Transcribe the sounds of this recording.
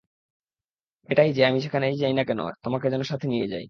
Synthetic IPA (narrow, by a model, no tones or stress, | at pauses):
eʈajd͡ʑeamiʃekʰanejd͡ʑajnakɛno̰t̪omaked͡ʑɛnoʃat̪ʰenijed͡ʑa̰j